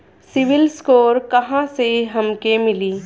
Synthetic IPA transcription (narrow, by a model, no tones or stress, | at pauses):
sɪʋɪlskoːɾkɐɦãseɦɐmkemɪliː